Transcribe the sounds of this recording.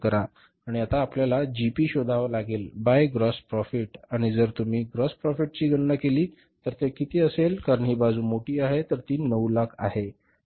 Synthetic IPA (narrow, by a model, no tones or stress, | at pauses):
kəɾa | aɽ̃iat̪aːpljalad͡ʑipiːɕod̪ʱaʋlaɡeːlbajɡɾɔspɾɔfiʈaɽ̃id͡zəɾt̪um̤iːɡɾɔspɾɔfiʈ̚t͡ɕiːɡəɳnakeliː | t̪əɾt̪ekit̪iːəselkaɾəɳɦiːbad͡zũːmoʈiːaɦet̪əɾt̪iːnəwlakʰa̰ɦe